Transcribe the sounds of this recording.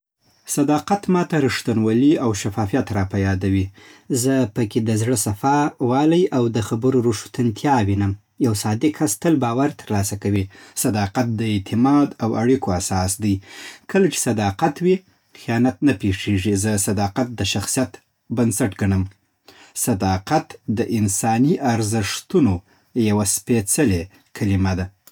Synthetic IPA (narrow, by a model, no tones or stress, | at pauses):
sad̪ɑqat̪mɑt̪aɾɪʂt̪anwaliawʃafɑfijat̪ɾɑpajɑd̪awizəpəked̪əzɽəsafɑwɑlajʔawd̪əxabəɾoɾuʂu̥t̪ant̪ʰjɑwinəm | jawsɑd̪ɪkʰast̪əlbɑwaɾt̪əɾlɑsakawisad̪ɑqat̪̚d̪əɪt̪ʰɪmɑd̪awaɽikoasɑsd̪əjkəlat͡ʃe̥sad̪ɑqat̪wi | xijɑnat̪̚napeʂeʐizəsad̪ɑqat̪̚d̪əʃaxsijat̪ | bansaʈɡaɳəm | sad̪ɑqat̪d̪əʔɪnsɑniʔaɾzəʂt̪uno | jawaspet͡səle | kʰalimad̪a